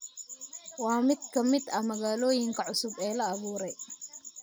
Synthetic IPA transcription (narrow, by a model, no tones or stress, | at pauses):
wɑːmɪd̪kʰɐmɪd̪ɐmɐɣaːlɔːjɪŋkʰɐʕʊsʊbɛːlɐːβuːɾɛj